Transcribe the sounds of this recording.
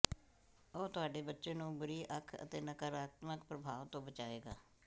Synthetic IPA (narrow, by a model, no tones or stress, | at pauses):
əoːt̪ʊɦaːɖeːbətːʃeːnũːbʊɾiːʔəkʰə̰t̪eːnəkəɾaːt̪məkpɾəbʱaːʋt̪õːbət͡ʃaːeːɡaː